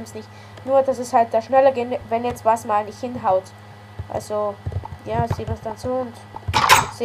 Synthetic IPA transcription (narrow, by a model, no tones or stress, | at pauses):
msnɪçt | nuːɐd̥asɛshalt̚d̥aːʃnɛlɐɡɪnvɛnjɛt͡stv̥asmaːlnɪçthɪnɦaʊt | ʔa̰lzojaːsiːmasd̥anzoːʊnt | se